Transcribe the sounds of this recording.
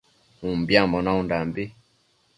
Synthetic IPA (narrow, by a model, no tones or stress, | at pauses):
umbjambɔnaundambi